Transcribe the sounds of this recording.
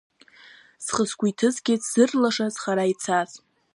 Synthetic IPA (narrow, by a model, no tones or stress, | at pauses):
sχəskʷujtʰɨzɡʲɪz̥ɨrlaʂaz̥χaɾait͡sʰaz